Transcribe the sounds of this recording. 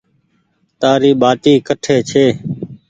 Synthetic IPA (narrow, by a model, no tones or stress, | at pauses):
t̪aːɾiːɓaːʈiːkəʈʰeːt͡ʃʰeː